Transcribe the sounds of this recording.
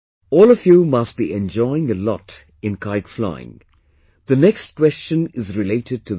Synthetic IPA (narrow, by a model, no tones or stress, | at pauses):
ɔːlˠəvjumʌst̚b̥iɛ̃nd͡ʒɔɪɪ̃ŋəlɔ̰t | ɨ̃nkʰaɪɡfla̰ɪɪ̰̃ŋ | ðɨnɛkstkw̥ɛst͡ʃə̃nɪzɹɪleɪtɨd̚tʰɨ